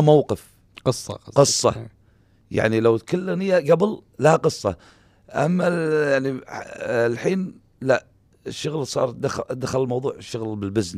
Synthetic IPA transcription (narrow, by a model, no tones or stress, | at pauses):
mawqɪf | sˤːqɨsˤːɑ̰ | ja̰ʕnilawt̪kalːɣnɪjːaɡabllahaqɨsˤːɑ̰ | ʔamːajaʕni | lħiːn | laʔ | ɪʃːʊɣlsˤɑ̰ːɾˤd̪ad̪axalɪlmɑwðˤuːʕɪʃːʊɣlbɪlbɪzn